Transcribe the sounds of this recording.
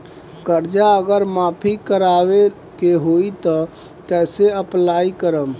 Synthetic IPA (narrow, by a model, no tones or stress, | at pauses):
kəɾd͡ʒaəɡəɾmapʰikəɾaʋe | keɦoit̪ɔ | kɛseəplaikəɾəm